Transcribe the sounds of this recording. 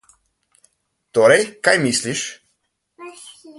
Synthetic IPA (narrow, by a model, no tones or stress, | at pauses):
t̪oːɾɛjkajmisliʃ